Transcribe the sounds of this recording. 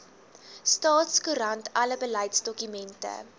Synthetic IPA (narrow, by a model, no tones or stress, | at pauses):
stɑːtskuɾɐntʰɐləbəlɐjtsdɔkymɛntə̰